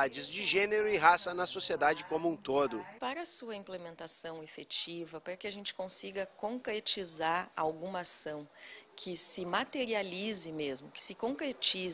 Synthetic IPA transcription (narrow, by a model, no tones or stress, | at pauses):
ad͡ʒɪzd͡ʒɪʒẽneɾʊɪɦasɐnɐsosied̪ad͡ʒɪkõmũt̪od̪ʊpaɾɐsuɐĩplemẽnt̪asɐ̃w̃efet͡ʃivɐpɾɐkɪaʒẽnt͡ʃɪ̥kõsiɡɐkõŋkɾet͡ʃizaɾa̰wɡũmɐasɐ̃w̃kʰɪsɪmat̪eɾializɪmezmʊkɪ̥sɪkõkɾet͡ʃiz